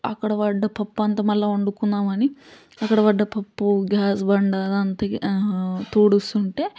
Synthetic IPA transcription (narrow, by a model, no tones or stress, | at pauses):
ɐkːɐɽɐʋɐɖːɐpɐpːuɐnt̪ɐmɐlːɐɐɳɖukunːaːmɐni | ɐkːɐɽɐʋɐɖːɐpɐpːuɡaːsbɐɳɖɐd̪ɐnt̪ɐkit̪uːɽust̪uɳʈe̞ː